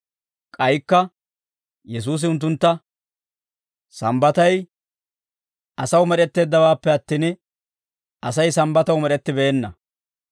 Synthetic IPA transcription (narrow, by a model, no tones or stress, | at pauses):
kʼɐjkːɐ | jɛs̬uːs̬ɪʊnt̪̬ːʊnt̪ːɐ | sɐmbɐt̪ɐj | ʔɐsɐwmɛɗɛt̪ːe̞ːd̪ːɐwaːpːɛɐt̪ːiːn | ʔɐsɐjsɐmbɐt̪ɐwmɛɾɛt̪ːɪbeːnːɐ̰